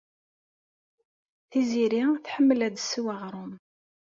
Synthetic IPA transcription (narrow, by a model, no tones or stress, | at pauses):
θiziɾiθħəmːəlæd̪sːiwaʁɾˤʊm